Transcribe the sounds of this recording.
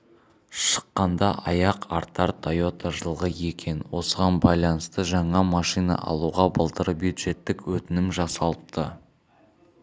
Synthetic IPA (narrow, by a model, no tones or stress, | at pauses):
ʃə̥qːɑnd̪ɑʔɑjɑqɑɾt̪ːɑɾt̪ʰajo̞t̪ɑʒəlˠʁəje̞kʲe̞nwo̞səʁɑnbɑjlˠɑnəst̪əʒɑɴɑmɑʃijnɑ̰ʔɑ̰lˠuʁɑbəlˠt̪əɾbjud̪ʒe̞t̪ːɪkwɵt̪ɪnɪmʒɑsɑlˠəp̚t̪ʰə